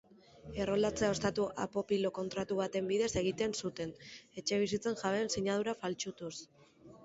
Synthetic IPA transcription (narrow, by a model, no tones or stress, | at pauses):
e̞ro̞lat͡se̞ao̞st̪at̪uʔa̰po̞pilo̞ko̞nt̪ɾat̪uβ̞at̪e̞mbiðe̞se̞ɣ̞it̪e̞nsut̪e̞ne̞t͡ʃe̞β̞isit͡se̞nʝaβe̞nsiɲað̞uɾafalt͡ʃut̪us